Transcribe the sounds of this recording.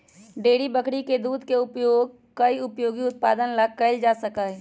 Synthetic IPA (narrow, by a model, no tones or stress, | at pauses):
ɖeːɽibəkɽiked̪uːd̪ʱkeʊpjoːɡ̚ | kɐiʊpjoːɡiʊt̪̚pa̰ːd̪ənləɡ̚kəld͡ʒaːsəkaɦɛː